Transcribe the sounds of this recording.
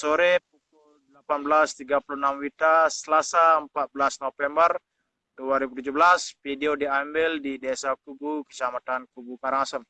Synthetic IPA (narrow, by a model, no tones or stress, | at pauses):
soɾep̚uk̚ʊldəlapanbəlast̪iɡapulunamwit̪asəlasaəmpat̪̚bəlasnofɛmbər | duaɾibut̪ud͡ʒubəlaspideodiambɪldidɛsakubukət͡ʃamat̪ankubukaɾaŋasən